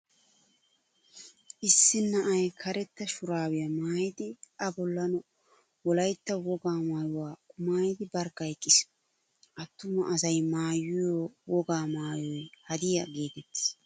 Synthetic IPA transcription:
ʔɪsːɪnːɐʔɐjkʰɐɾɛt̪ːɐʃʊɾaːwɪjɐmaːjɪd̪ɪʔɐbɔlːɐnɔ | wɔlɐjt̪ːɐwɔɡaːmaːjʊwaːkʼʊmaːjɪd̪ɪbɐɾkːɐjkʼːɪs | ʔɐt̪ːʊmɐʔɐsɐjmaːjʊjowɔɡaːmaːjɔjhɐd̪ɪjɐɡe̞ːt̪ɛt̪ːɪ̥s

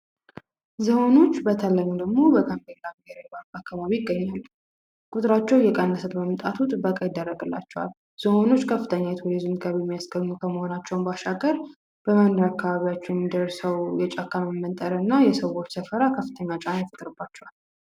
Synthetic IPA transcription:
zəho̞no̞t͡ʃːbət̪ʰəlːəɲːud̪əɡmo̞bəkəmbelamheɾabaɾakːaβaβijɪɡːəɲːalː | kʼut̪ʼɾat͡ʃːɛwjɛkʼənːəsət̪məmt̪ʼat̪ʰut̪ʼɨbːəkʼajɪd̪ːərːəɡɨlːa̰t͡ʃːɛwa̰l | z̥əho̞no̞t͡ʃːkʰəfːɨt̪ʰəɲːajt̪ʰuɾizɨmɡəβijɛmːijasɡəɲːukʰəməho̞nat͡ʃːɛwnbaʃaɡəɾ | b̥əmənd̪əɾakːaβaβijat͡ʃːɛjɛmːid̪ərsəwjɛt͡ʃʼakʰːaməmːənt̪ʼəɾəɨnːajɛsəwo̞t͡ʃːsəfəɾakʰəfːɨt̪ʰəɲːat͡ʃʼanjɛfɨt̪ʼɾɨbːat͡ʃːɛwal

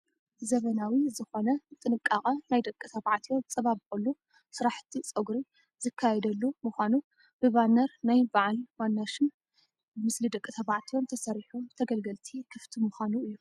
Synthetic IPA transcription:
zɐβɐnawizɨxo̞nɐt̪ʼɨnɨkʼːaχʼɐnajd̪ɐkʼːɨt̪ʰɐβaʕt̪ʰijo̞mt͡sʼɐβaβkʼulːu | sɨɾaħt̪ʰit͡sʼɐɡɾi | zɨkʰːajɛd̪ɐlːumɨxʷanu | b̥ɨβanːɐɾnajbaʕalwanːaʃɨn | ɨmɨslid̪ɐkʼːɨt̪ʰɐβaʕt̪ʰijo̞mt̪ʰɐsɐɾiħomt̪ʰɐɡɐlɡɐlt̪ʰikʰɨft̪ʰimɨxʷanuɨjːu

